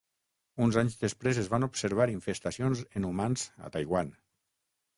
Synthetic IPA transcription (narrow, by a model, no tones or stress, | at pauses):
unzaɲzðespɾezezβanupseɾβ̞aɾiɱfest̪asionzenumanza̰t̪ajɣwan